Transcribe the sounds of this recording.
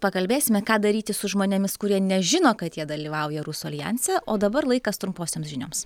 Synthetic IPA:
pɐkɐlʲbʲeːsʲɪmʲɛkɑːd̪ɐɾʲiːt̪ʲɪsʊʒmoːnʲemʲɪskʊɾʲiɛnʲɛʒʲɪnoːkɐt̪jiɛd̪ɐlʲiːʋɐʊjɛɾusuɐlʲjɛ̰nʲsʲɛʔoːd̪ɐbɐɾlˠɐɪkɐst̪ɾʊmpoːsʲeːmsʒʲɪnʲoːms

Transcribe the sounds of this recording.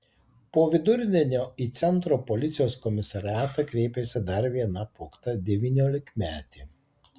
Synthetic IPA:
poːʋʲɪd̪ʊɾʲɪnʲɪnʲoːiːt̪sʲɛnˑt̪ɾoːpɔlʲɪt̪sʲɪjoːskɔmʲɪsɐɾʲɪɑːt̪ɐkɾʲeːpʲesʲɪd̪ɐɾʋʲiɛnɐpʊkt̪ɐd̪ʲɛʋʲiːnʲoːlʲɪkmʲæːt̪ʲiː

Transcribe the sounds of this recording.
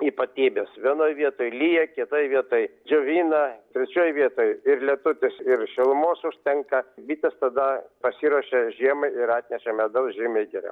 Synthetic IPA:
iːpɐt̪ʲiːbʲeːsʋʲiɛnoːjʋʲiɛt̪oːjlʲiːjɛkʲɪt̪oːjʋʲiɛt̪oːjd͡ʒʲoːʋʲiːnɐt̪ʲɾʲɛt͡ʃʲoːjʋʲiɛt̪oːjɪrlʲɛt̪ʊt̪ʲɪsɪrʃʲɪlˠʊmoːsʊʃʲt̪ʲɛŋkɐbʲiːt̪ʲɐst̪ɐd̪ɐpɐsʲiːɾuɔʃʲɛʒʲiɛmɐɪɪɾɑːt̪ʲnʲɛʃʲɛmʲɛd̪ɐlˠʒʲɪmʲɛɪɡʲɪɾʲɛ̰

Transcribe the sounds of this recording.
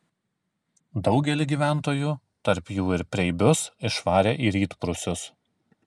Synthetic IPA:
d̪ɒʊɡʲɛlʲɪɡʲiːʋʲæˑnt̪oːjuː | t̪ɐɾpjuːɪɾpʲɾʲɛɪbʲʊsɪʃʋɑːɾʲeːʔiːɾʲiːt̪pɾʊsʲʊs

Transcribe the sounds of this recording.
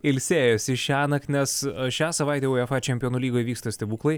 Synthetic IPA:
ɪlʲsʲeːjosʲɪʃʲæːnɐknʲɛsʃʲæːsɐʋɐˑɪt̪ʲɛːoːjɛfɑːt͡ʃʲɛmʲioːnuːlʲiːɡoːjʋʲiːkst̪ɐsʲt̪ʲɛbuːklˠɐɪ

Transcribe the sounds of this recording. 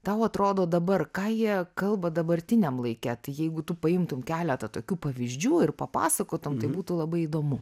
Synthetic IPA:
t̪ɐʊɐt̪ɾoːd̪oːd̪ɐbɐrkɑːjiɛkɐlˠbɐd̪ɐbɐɾʲt̪ʲɪnʲɛmlˠɐɪkʲɛt̪ɐɪjɛɪɡʊt̪ʊpɐɪmt̪ʊmkʲæːlʲɛt̪ɐt̪oːkʲuːpɐʋʲɪzʲd͡ʒʲuːɪrpɐpɑ̰ːsɐkoːt̪ʊmt̪ɐɪbuːt̪ʊlˠɐbɐɪid̪oːmʊ

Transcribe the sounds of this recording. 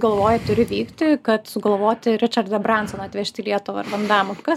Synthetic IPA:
ɡɐlˠʋoːjɛt̪ʊɾʲɪʋʲiːkt̪ʲɪkɐt̪sʊɡɐlˠʋoːt̪ʲɪɾʲɪt͡ʃɐrd̪ɐbrɐnt̪sonɐːt̪ʲʋʲɛʃʲt̪ʲɪlʲiɛt̪ʊʋɐrʋɐnd̪ɑːmʊkɐ

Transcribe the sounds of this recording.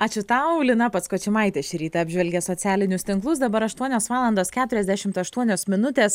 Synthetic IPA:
ɑt͡ʃʲʊt̪ɐʊlʲɪnɐpɐt̪skoːt͡ʃʲɪmɑˑɪt̪ʲɛːʃʲɾʲiːt̪ɐɑːbʲʒʲʋʲɛlʲɡʲɛsoːt̪sʲæːlʲɪnʲʊst̪ʲɪŋklˠʊsd̪ɐbɐɾɐʃt̪uɔnʲoːsʋɑːlˠɐnd̪oːskʲæːt̪ʊɾʲɛzʲd̪ʲæʃʲɪmt̪ɐʃt̪uɔnʲoːsmʲɪnʊt̪ʲeːs

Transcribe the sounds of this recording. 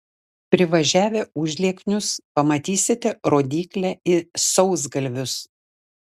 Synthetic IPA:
pʲɾʲɪʋɐʒʲæːʋʲeːʊʒʲlʲiɛknʲʊspɐmɐt̪ʲiːsʲɪt̪ʲɛɾoːd̪ʲiːklʲæːɪsɔʊzɡɐlʲʋʲʊs

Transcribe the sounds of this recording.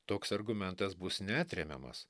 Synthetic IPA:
t̪oːksɐɾɡʊmʲɛnt̪ɐsbʊsnʲæːt̪ʲɾʲɛmʲɛ̰mɐ̰s

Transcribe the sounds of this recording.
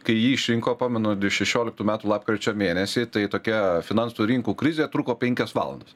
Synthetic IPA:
kɐɪjiːɪʃʲɾʲɪŋkoːpɑːmʲɛnoːd̪ʲɪʃʲɛʃʲoːlʲɪkt̪uːmʲæːt̪ulˠɑːp̚kɾʲet͡ʃʲoːmʲeːnʲɛsʲɪt̪ɐɪt̪oːkʲɛfʲɪnɐnsuɾʲɪŋkuːkɾʲɪzʲeːt̪ɾuːkoːpʲɛŋʲkʲɛsʋɑ̰ːlˠɐ̰nd̪ɐs

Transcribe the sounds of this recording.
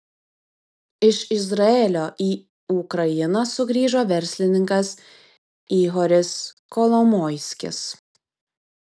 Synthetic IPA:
ɪʃɪzɾɐeːlʲoːʔiː | ukɾɐjɪnɐsʊɡɾʲiːʒoːʋʲɛɾʲsʲlʲɪnʲɪŋkɐs | iːɦɔɾʲɪs | kɔlˠɔmɔːɪsʲkʲɪ̰s

